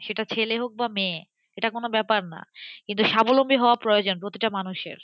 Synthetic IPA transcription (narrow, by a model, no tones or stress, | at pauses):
ʃeʈat͡ɕʰeleɦok̚bamẽ | eʈakonobɛpaɾna̰kint̪uʃabolombiɦɔoapɾojod͡ʑonpɾot̪iʈamanuʃḛɾ